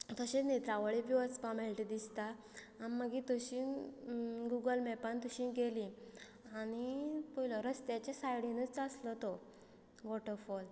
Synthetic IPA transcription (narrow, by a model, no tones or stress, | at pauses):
t̪ɔɕenit̪ɾaʋəɭibiət͡spãmeɭʈid̪ist̪aː | iməɡit̪əɕin | ɡuɡəlmɛpant̪uɕĩɡeli | añipɔilɔɾəst̪jat͡ɕesajɽĩnət͡st͡saslɔt̪ɔ | ʋɔʈəɾfɔl